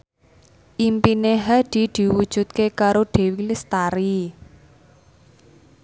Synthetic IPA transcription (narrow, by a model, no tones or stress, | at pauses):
ʔimpineɦad̪̥i̤d̪̥i̤wud̥ʒ̥ṳt̪̚kekaɾoɖ̥e̤wilist̪aɾi